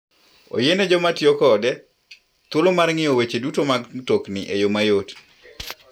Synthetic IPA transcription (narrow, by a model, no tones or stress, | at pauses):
o̰jenɛd͡ʒɔmatɪjɔkɔːdɛ | t̪wolomarŋɪowet͡ʃedutomaɡtoknɪʔejomajot